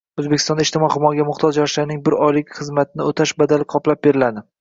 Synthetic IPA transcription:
ɵzbekʲɪ̥st̪ɒnd̪aɪʃt̪ɪmɒχʊmɒɡʲamʊχt̪ʰɒzjɒɾʃlaɾnɪŋbɪɾɒjlɪkʲχɨzmat̪ʰɪnɪot̪ʰaʃbad̪alɪqʰɒplap̚beɾɪlad̪ɪ

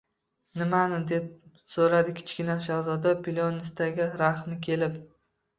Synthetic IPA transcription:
nɪmanɪd̪e̞p̚ | soɾad̪ɪkʲʰɪ̥t͡ʃkʲɪnaʃahzɒd̪apʰɪlʲonɪst̪ʰaɡʲɪɾaχmɪkʲʰe̞lɪp

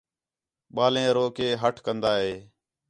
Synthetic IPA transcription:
ɓaːlẽːɾoːkeːɦəʈʰkənd̪aːɦeː

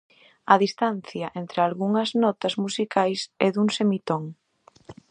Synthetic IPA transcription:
ɐðist̪anθjɐʔent̪ɾealɣuŋɐznɔt̪ɐzmusikajsɛðuŋsemit̪oŋ

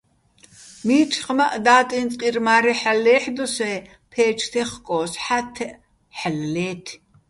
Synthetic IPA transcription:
miːt͡ʃʰʼχmaʔd̪aːt̪ʼint͡sʼqʼirmaːɾɛħalːɛːħd̪ɔsɛ | pʰɛːt͡ʃʰt̪ʰɛχkʼɔːsħat̪ʰɛʔ | ħallɛːt̪ʰ

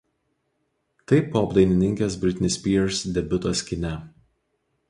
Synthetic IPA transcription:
t̪ɐɪpoːɐbd̪ɐɪnʲɪnʲɪŋʲkʲeːs̬bʲɾʲɪt̪ʲɪnʲɪsʲpʲiːɛɾsd̪ʲɛbʲʊt̪osʲkʲɪnʲɛ

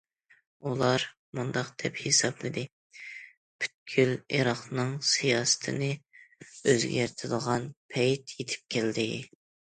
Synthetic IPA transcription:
ulˠɑɾ | mund̪ɑqd̪̥ɛphesɑblˠɨd̪ɪ | pʰy̥t̪̚kʲʰyleɾɑχnɨŋsijɑːsɨ̥t̪ʰɨnɨ | øzɡʲæɾt̪ʰɪd̪əʁɑnpʰɛjt̪jet̪ʰɪ̥p̚kʲʰɛld̪ɪ

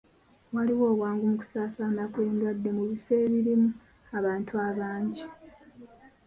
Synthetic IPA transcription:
waliwo̞ːβwaːŋɡomuku̥saːsaːnakwe̞ːŋɡadːe̞muβife̞ːβiɾimu | aβaːntuaβaːɲɟi

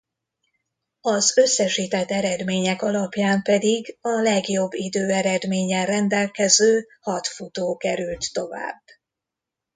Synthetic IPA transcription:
ɒzø̞sːɛʃiːt̪ɛt̪ːɛɾɛd̪meːɲɛkɒlɒpjaːmpɛd̪iɡɒlɛɡjo̞bːid̪øːɛɾɛd̪meːɲɛrɛnd̪ɛlkɛzøː | hɒt̪fut̪oːkɛɾylt̪ːo̞va̰ːb

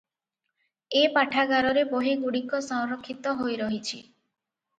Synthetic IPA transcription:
epaʈʰaɡaɾɔɾeboɦiɡuɽikɔsɔ̃ŋɾɔkʰːit̪ɔɦojɾɔɦit͡ʃʰi

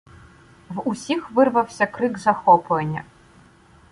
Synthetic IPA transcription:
vusʲixʋɨrʋɐwsʲɐkɾɨɡzɐxɔpʊenʲːɐ̰

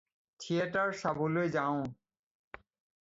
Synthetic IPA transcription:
tʰieʈaɾʃabolojd͡ʑaõ

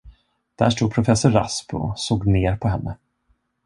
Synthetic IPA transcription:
d̪̥æ̰ʂʈuːd̪pʰɾʊfɛsːʊɾːa̰spʰɔ̰soːɡneːɾpʰɔɦɛnːə

